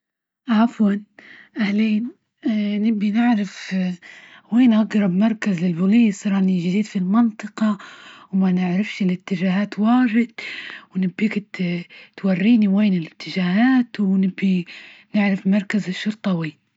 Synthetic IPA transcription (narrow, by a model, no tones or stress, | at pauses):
ʔafwanʔahliːn | nɪbːinɪʕɾɪf | weːnʔaɡɾˤɑbmɑɾˤkazlɪlbʊliːsɾˤɑːʔniʒɪd̪iːd̪filmɪnt̪ˤɨqɑwmanɪʕɾɪfʃɪlɪt̪ːɪʒaːɦaːt̪waːɾɪd̪̥̚wnɪbːiːk̪t̪warːiːniweːnɪlɪt̪ːɪd͡ʒaːhaːt̪wnɪbːinɪʕɾɪfmɑɾˤkazɪʃːʊɾt̪ˤɑwiː